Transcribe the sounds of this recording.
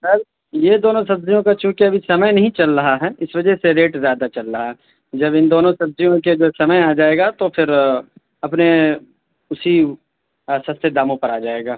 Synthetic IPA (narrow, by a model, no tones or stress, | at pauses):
sɐɾ | jed̪oːnõsɐb̚zijõkat͡ʃũːkiɐbʱisɐməjnɐɦĩt͡ʃɐlɾɐɦaɦɛːɪsʋɐd͡ʒɛɦseɾeːʈzjaːd̪at͡ʃɐlɾɐɦaɦɛ | d͡ʒɐbɪnd̪oːnõsɐbzijõked͡ʒoːsɐməjaːd͡ʒaːeːɡat̪ofʰɪɾ | ɐpne | ʊsi | sɐst̪ed̪aːmõpɐɾaːd͡ʒaːeːɡaː